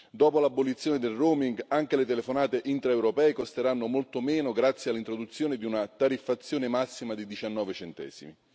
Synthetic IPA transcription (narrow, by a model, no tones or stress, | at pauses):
d̪ɔːpolabːolit̪sːjoːned̪elroːmiŋɡaŋk̟elet̪elefonaːt̪eʔint̪ɾaewɾopɛːikost̪eɾanːomolt̪omɛːnoɡɾat̪sːjealːint̪ɾod̪ut̪sːjoːned̪iunat̪aɾifːat̪sːjoːnemasːimad̪id̪it͡ʃanːɔːvet͡ʃɛnt̪ɛ̰ːz̥ḭmi